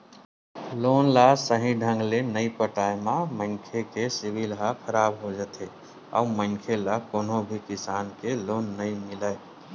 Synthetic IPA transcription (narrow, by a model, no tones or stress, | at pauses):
lonlasəɦĩɖʱə̃ŋɡlenəipəʈaemãmə̃ŋkʰekesibilɦakʰəɾaːbɦod͡ʒat̪e | a̰uməŋkʰelakonõbʱikɪsaːnkeloːnːəimɪləe